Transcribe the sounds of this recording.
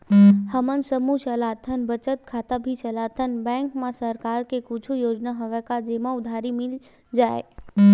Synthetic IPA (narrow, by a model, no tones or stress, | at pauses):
həmənsəmut͡ʃəlat̪ʰənbət͡ʃət̪̚kʰat̪abʱit͡ʃəlat̪ʰənbɛ̃ŋkmãsəɾkaːɾkekʊt͡ʃʰujoːd͡ʒnaɦoʋɛkad͡ʒemãʊd̪ʱaɾimɪl | d͡ʒaːe